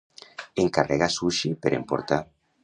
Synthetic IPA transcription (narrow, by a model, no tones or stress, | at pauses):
eŋkarɛɣasuʃepeɾḛmpo̰ɾt̪a